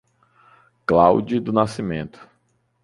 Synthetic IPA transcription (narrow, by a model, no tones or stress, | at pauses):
klawd͡ʒid̪ʊnasimẽnt̪ʊ̥